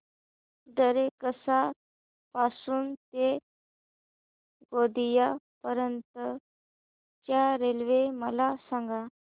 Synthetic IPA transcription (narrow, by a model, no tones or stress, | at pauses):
d̪əɾekəsa | pasuːnt̪e | ɡod̪ijapəɾənt̪ə | t͡ɕjaɾelʋeməlasãŋɡa